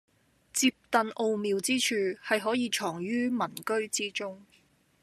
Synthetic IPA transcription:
t͡siː˧p̚t̪ɐ˨nʔo˧wmiː˨˧wt͡siː˥t͡ʃʰyː˨˧hɐ˨jɦɔː˨˥jiː˧t͡ʃʰɔː˨˩ŋɥyː˥mɐ˨˩nkɵ˥ɥt͡siː˥t͡ʃʊ˥ŋ

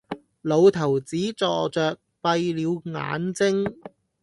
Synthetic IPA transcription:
lo˨˧wt̪ʰɐ˨˩wt͡siː˨˥t͡sɔː˧t͡ʃœː˨k̚pɐ˧jliː˨˧wŋa̰ː˨˥nt͡sɪ˥ŋ

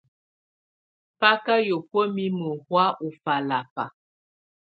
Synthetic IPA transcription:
pa˦ka˦jo˨pə˦mi˦mə˨hwa˦ʔu˨fa˨la˨pa̰˨

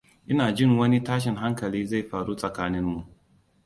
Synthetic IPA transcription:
ʔɪ˦naː˨d͡ʒɪ˦˨ŋwɐ˦ni˦taː˦ʃ̬ɪ˨ŋɦa˦ŋkɐ˨liː˦za˦˨jɸaː˨ɽu˦sʼɐ˨kaː˦nɪ˦mːu˨ʔ

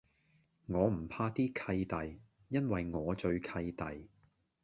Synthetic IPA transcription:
ŋɔː˨˧m̩˨˩pʰaː˧t̪iː˥kʰɐ˧jt̪ɐ˨j | jɐ˥nwɐ˨jŋɔː˨˧t͡ʃɵ˧ɥkʰɐ˧jt̪ɐ˨j

